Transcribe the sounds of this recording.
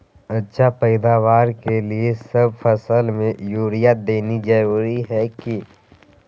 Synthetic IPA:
ətːʃʰapɛɪd̪aːʋaːɾkeliesəb̚fʰəsəlmẽjuːɾijad̪eːnid͡ʒəɾuːɾiɦɛki

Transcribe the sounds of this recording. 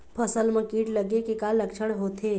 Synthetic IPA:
pʰəsəlmə̃kiːʈləɡekekalːəkt͡ʃʰəɽ̃ɦot̪ʰe

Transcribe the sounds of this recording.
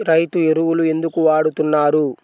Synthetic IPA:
ɾɐjt̪ueɾuwulue̞nd̪ukuʋaːɽut̪unːaːɾu

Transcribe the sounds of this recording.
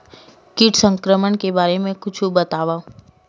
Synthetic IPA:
kɪʈsə̃ŋkɾəmənkebaːɾemẽkʊt͡ʃʰubət̪aːʋã

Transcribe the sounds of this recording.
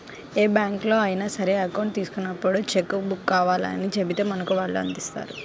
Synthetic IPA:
eːbjaːŋklo̞ːɐːjɐnasɐɾe̞ːɐkɐwɳʈ̚t̪iːsu̥kunːɐpːuɽut͡ʃekːubukːaːʋaːlɐ̰nit͡ʃebit̪e̞ːmɐnɐkuʋaːɭːuɐ̰nd̪ist̪a̰ːɾu

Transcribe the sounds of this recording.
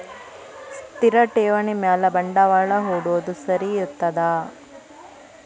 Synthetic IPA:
st̪iɾɐʈeːʋɐnimaːlɐbɐɳɖɐʋaːɭɐɦoːɽuod̪usɐɾiut̪ːɐd̪aː

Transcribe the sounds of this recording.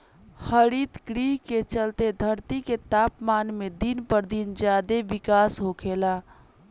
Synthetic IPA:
həɾit̪ɡɾiɦket͡ʃəlt̪ed̪ʱəɾt̪iket̪aːpmaːnmed̪inpəɾd̪ind͡ʒjad̪eʋikaːsɦokʰela

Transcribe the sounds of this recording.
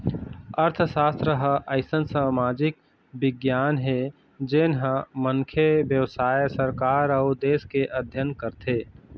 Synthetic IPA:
əɾt̪ʰʃaːst̪ɾəɦəʔəɪsənsaːmaːd͡ʒɪk̚ | bɪɡjaːnɦɛ | d͡ʒeːnɦəməŋkʰeʋjəʋsaːjsəɾkaːɾəʊd̪eːskeʔɐd̪ʱjənkəɾt̪ʰeː

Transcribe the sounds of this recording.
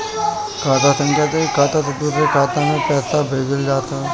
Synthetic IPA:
kʰaːʈ̪asə̃ŋkʰjat̪ekaːt̪asɐd̪uɾekʰaːt̪amẽpɛːsabʱeːɡɪld͡ʒaːt̪a

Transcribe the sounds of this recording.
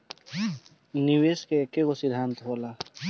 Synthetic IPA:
niʋeːskeekːekosid̪ʱaːnt̪ɦoːlaː

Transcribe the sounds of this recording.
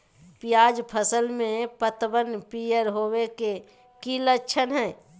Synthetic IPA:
pɪjaːd͡ʒpʰəsəlmẽpət̪bənpijəɾɦoːweke | kiləʃʰənɦɛː

